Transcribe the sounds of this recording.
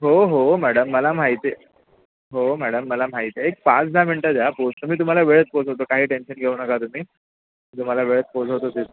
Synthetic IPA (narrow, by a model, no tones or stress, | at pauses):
ɦoɦomæɽəmːəlam̤ajt̪e | ɦomæɽəmːəlam̤ait̪eek̚pãt͡sd̪ʱam̤iɳʈad͡zaapost̪əm̤iːt̪̬um̤alaʋeɭət͡s̚posɦot̪okaɦiːʈenɕənɡʱeunəkat̪um̤iː | t̪um̤alaʋeɭət͡sposɦot̪ot̪is